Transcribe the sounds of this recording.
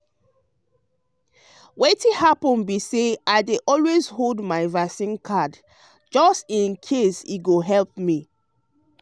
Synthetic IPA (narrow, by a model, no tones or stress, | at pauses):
wetihapɔ̃nbiseaɪdeʔɔlwezholdmaɪvasĩnkʰad | d͡ʒɔstĩnkʰesiɡoɦɛlp̚mi